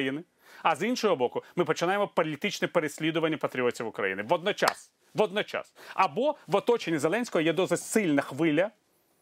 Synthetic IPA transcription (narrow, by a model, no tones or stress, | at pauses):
jinɪ | ɐzinʃɔɦɔbɔkʊmɪpɔt͡ʃɪnajemɔpɔlʲit̪ɪt͡ʃnɛpeɾesʲlʲid̪ʊʋɐnʲːɐpɐt̪ɾʲiɔtʲiwʊkɾɐ̰jḭnɪʋɔd̪nɔt͡ʃa̰s | ʋɔd̪nɔt͡ʃa̰sɐbɔʋɔt̪ɔt͡ʃenʲːizelˠɛnʲsʲkɔɦɔjɛd̪ɔsɪtʲsɪlʲnɐxʋɪlʲɐ